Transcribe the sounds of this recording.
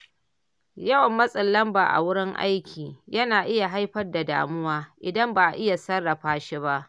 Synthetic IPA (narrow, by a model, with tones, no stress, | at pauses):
jɐ˦wɐ˨mːɐ˦sʼɪ˨lːɐ˦mba̰˨ʔa̰˨wʊ˦ɽɪ˦ŋʔa̰˦jkʲiː˨jɐ˦naː˨ʔɪ˦ja˨ɦa˦jɸɐ˦rda˨da̰ː˨mʊ˦waː˦ʔɪ˨dɐ˦mba˨ʔa˨ʔɪ˦ja˨sɐ˦rːɐ˨ɸaː˦ʃi˦ba˦ʔ